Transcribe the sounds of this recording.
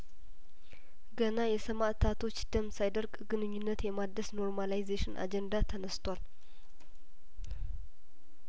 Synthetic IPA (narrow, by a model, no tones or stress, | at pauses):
ɡənajɛsəmaʔt̪ʰat̪ʰo̞t͡ʃːd̪̥əmsajd̪əɾɡɡɨnɨɲːunːət̪jɛmad̪ːəsno̞ɾmalajzeʃɪnʔa̰d͡ʒɛnd̪at̪ʰənəst̪ʰwal